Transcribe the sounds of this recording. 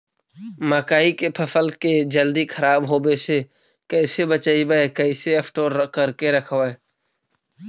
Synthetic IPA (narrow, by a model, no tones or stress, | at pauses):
maːkaːikepʰəsəlked͡ʒəld̪ikʰəɾaːbɦoːbese | kɛːsebət͡ʃaːibəekɛɪseɐpʰʈoːɾkəɾkeɾəkʰʋae